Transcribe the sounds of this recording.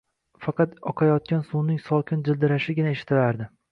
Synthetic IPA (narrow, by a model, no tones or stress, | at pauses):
fɑqʰɑt̪ɒqʰɑjɒt̪̚kʲansunɪŋsɒlˠkʲʰɪnd͡ʒɪld̪ɪɾaʃɪɡʲɪnaeʃɪ̥t̪ʰːɪɾaɾd̪ɪ